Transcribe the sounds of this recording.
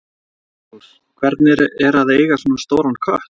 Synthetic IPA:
kʰvɛɾt̪nɪɾɛɾaðeːjɣasɔnast̪oːwɾankʰœht̪

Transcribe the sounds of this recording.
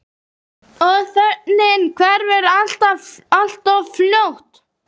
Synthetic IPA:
ɔðθɛt̪nɪnkʰvɛɾvɛɾal̥t̪aal̥t̪ɔvfljowht̪

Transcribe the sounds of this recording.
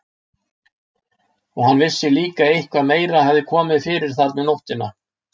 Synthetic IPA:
ɔɣhanːvɪsːɪliːkaejhkʰvaðmeːjɾahavðɪkʰɔːmɪðfɪːɾɪɾ̥θaɾmɛðnowht̪ɪna

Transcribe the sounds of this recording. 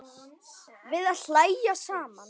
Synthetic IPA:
vɪðaðl̥laːjjasaːman

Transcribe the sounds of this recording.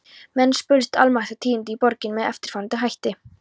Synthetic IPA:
mɛnːspʏlst̪a̰lmaht̪at̪ʰiːɪnt̪̬ɪipɔɾcɪnmɛðɛ̰ft̪ɪɾ̥fant̪ɪɦajht̪ɪ

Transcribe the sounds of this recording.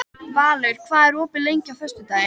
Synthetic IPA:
vaːlɛɥɾ̥kʰvaːðɛɾoːpɪlejɲcɪawθœst̪ʏt̪aːɪ

